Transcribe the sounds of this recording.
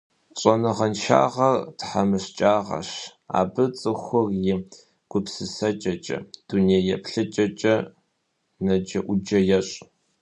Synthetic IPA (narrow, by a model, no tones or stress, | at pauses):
ɕʼɔnɨʁɐnʃa̰ːʁɐrtħamɨɕt͡ʃʼaːʁɐ̰ɕa̰ːbɨt͡sʼɨxʷʊrjɪ | ɡ̥ʷʊpsɨsɐt͡ʃʼɐt͡ʃʼɐ̰d̥uneːjɛpʰɬɨt͡ʃʼɐt͡ʃʼɐ | nɐd͡ʒɐʔʷʊd͡ʒɐjɛɕʼ